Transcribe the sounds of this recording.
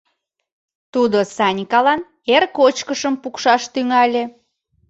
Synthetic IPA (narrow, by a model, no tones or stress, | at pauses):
t̪ud̪osɑnʲkɑlɑn | erkot͡ɕkəʃəmpukʃɑʃt̪yŋɑlʲe